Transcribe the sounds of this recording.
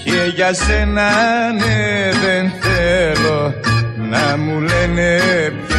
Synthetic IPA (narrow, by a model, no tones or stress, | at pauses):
jejasenaneðenθelonamuleneɾ